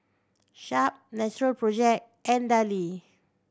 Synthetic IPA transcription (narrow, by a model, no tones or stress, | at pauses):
ʃap̚nɛt͡ʃɹəlpɹɔd͡ʒɛk̚ | ɛ̃ndali